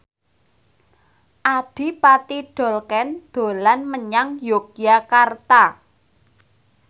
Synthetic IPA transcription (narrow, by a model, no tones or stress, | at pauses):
ʔad̥i̤pat̪iɖ̥ɔ̤lkɛnd̪̥o̤lanməɲaŋjoɡ̥jakart̪a